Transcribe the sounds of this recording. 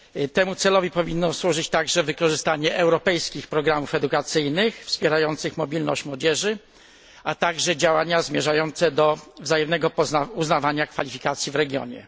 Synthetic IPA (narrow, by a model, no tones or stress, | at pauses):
t̪ɛmut̪sɛlɔvʲipɔvʲinːɔswuʐɘt͡ɕt̪aɡʐɛvɘkɔʐɘst̪aɲɛʔɛwɾɔpɛjskʲixpɾɔɡɾamufɛd̪ukat̪sɘjnɘxfspʲjɛɾajɔnt̪sɘxmɔbʲilnɔ̰ɕt͡ɕmwɔd͡ʑɛʐɘ | ʔat̪aɡʐɛd͡ʑawaɲazmʲjɛʐajɔnt̪sɛd̪ɔvzajɛmnɛɡɔpɔauznavaɲakfalʲifʲikat̪sʲjivɾɛɡʲjɔ̰ɲɛ̰